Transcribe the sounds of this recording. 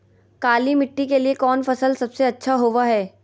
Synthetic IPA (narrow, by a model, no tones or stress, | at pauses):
kaːlimɪʈːikeliekɔːnfɐsəlsɐbseɐtːʃʰaɦoːʋaɦɛː